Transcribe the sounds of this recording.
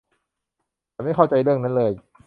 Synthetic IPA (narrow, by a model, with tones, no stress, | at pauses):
ma˥˩jkʰa˥˩wt͡ɕa˧jɾɯ˥˩əŋna˦˥nlɤː˧j